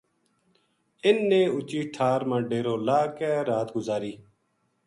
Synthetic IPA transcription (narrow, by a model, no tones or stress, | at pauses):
ɪnːeːʊt͡ʃiːʈʰaːɾmãːɖeːɾoːlaːkɛ̃ːɾaːt̪ɡʊzaːɾiː